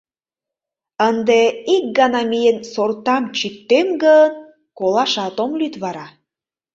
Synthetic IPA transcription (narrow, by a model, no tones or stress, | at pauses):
ənd̪eik̚ɡɑnɑmijensort̪ɑmt͡ɕit̪ːemɡən | kolɑʃɑt̪omlyt̪βɑɾɑ